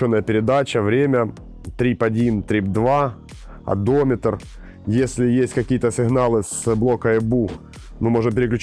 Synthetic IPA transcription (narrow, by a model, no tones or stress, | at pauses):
onːəjəpʲɪɾʲɪd̪at͡ɕəvɾʲemʲə | t̪ɾʲipɐdʲint̪ɾʲip̚d̪va | ɐ̰d̪omʲɪt̪r | jesʲlʲɪjesʲtʲkɐkʲijət̪əsʲɪɣnalˠɨsblˠo̞kəɛbu | mɨmo̞ʐɨnp̬ʲɪɾʲɪklʲʉt͡ɕ